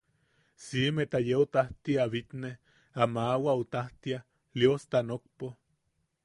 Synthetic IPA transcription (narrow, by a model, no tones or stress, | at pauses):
simet̪ajeot̪aht̪iaβit̪neh | amawaot̪aht̪ia | liost̪anok̚po